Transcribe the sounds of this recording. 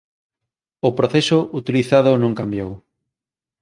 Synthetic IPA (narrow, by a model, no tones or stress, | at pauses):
ʊpɾoθesoʔut̪iliθaðʊnõŋkambjow